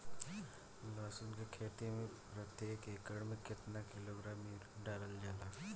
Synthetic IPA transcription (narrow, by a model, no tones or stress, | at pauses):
laːsʊnkekʰeːt̪emẽ | ɾɐkt̪eɦɛkeːkəɽmɪ̃kɪt̪nakɪloːɡɾaːmi | ɖaːɾəld͡ʒaːlaː